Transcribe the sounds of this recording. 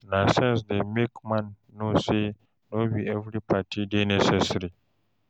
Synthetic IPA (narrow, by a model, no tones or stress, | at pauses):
nasɛ̃ns̬demekmãnː | ose | nobiɛvɾipʰatʰidenɛsɛsɾi